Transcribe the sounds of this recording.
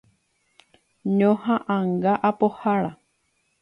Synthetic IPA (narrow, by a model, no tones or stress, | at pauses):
ɲõhãʔãŋɡaʔapohaɾa